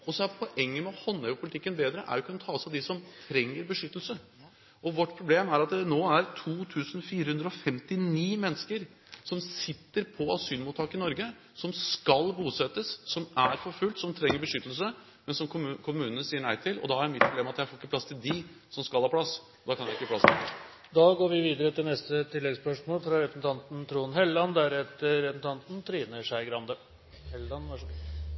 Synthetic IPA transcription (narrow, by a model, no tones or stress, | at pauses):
ɔsɔæɾpʰɔʔɛŋːəmɛɔhɔnːɛpʰʊlɪt̪ʰɪkːənbeːd̪ɾəʔæ̰ɾjʊkʉnət̪ʰɑːɔsɑd̪ɪsɔmt̪ʰɾɛŋːəɾbəʂʏt̪ːəlsə | ʔɔʋɔʈːpʰɾʊbleːmæɾɑt̪̚d̪ɛnoːæɾt̪ʰuːt̪ʰʉːsn̩fiːɾəhʉnd̪ɾəɔfɛmt̪ɪniːmɛnːskəɾ | sɔmsɪt̪ːəɾpʰɔɑsyːlmut̪ʰːɑːkəɪnɔɾɡə | sɔmskɑlbuːsɛt̪ːəsːɔmæɾfɔɾfʉlt̪sɔmt̪ʰɾɛŋːəɾbəʂʏt̪ːəl̩sə | mɛnsɔmkʰʊmʉːnənəsiːəɳæɪt̪ʰɪlɔ̰d̪ɑhɑæɾmɪt̪pʰɾʊbleːmɑt̪jæɪfoːɾɪkːəpʰlɑst̪ɪld̪ɪ | sɔmskɑlhɑːpʰlɑs | ɔd̪ɑːkʰɑnjæɪɪkːəɑplɑst̪ɪ | d̪ɑːɡoːɾʋɪʋiːd̪əɾət̪ɪlnɛst̪ət̪ʰɪlːɛɡspœʂmoːlfɾɑɾɛpɾəsn̩t̪ʰɑnt̪n̩t̪ʰɾuːnɦɛlːɑnd̪æɾɛt̪əɾɛpsn̩t̪ʰɑnt̪n̩t̪ʰɾiːnəʂæɪɡɾɑnd̪ə | hɛlɑnɑ